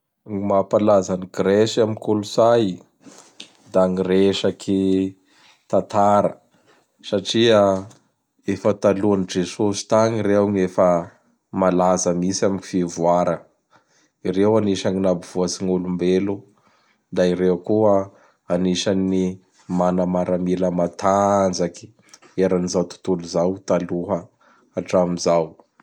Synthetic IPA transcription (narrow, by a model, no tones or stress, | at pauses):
ŋimapalazaniɡɾesamikulusaj | d̪aŋireʃakʰi | t̪at̪aɾə̰ | saʈ͡ʂia | efət̪aluanid͡ʒesosi̥t̪aŋiɾewŋefə | malazəmisamiɲifivuaɾə | iɾewaniʃaŋinabiv̥uasiŋulumbelu | d̪aiɾewkuə | aniʃani | manamaɾamiləmat̪ʰand͡zaki̥ | eɾanizawt̪u̥t̪uluzawt̪aluɦə | aʈ͡ʂamizaw